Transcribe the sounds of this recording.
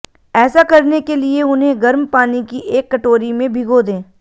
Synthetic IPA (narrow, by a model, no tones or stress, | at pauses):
ɛːsakɐɾnekelieʊnɦẽɡɐɾmpaːnikiʔeːkːɐʈoːɾimẽbʱɪɡod̪ẽː